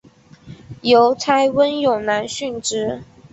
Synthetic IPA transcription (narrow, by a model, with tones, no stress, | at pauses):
jo˨˦ʊt͡sʰa˥ɪwə˦njo˨˩ŋna˧˥nɕy˥˩nʈ͡ʂɻ̩˥